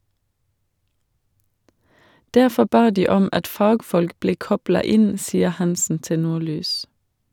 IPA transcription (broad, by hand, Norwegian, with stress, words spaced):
ˈdæʁfɔ ˈbɑː ˈdiː ˈɔm ˈɑt ˈfɑːɡfɔlk ˈbleː ˈkɔblɑ ˈɪn ˈsiːəʁ ˈhɑnsn̩ ˈtɪ ˈnuːˌlyːs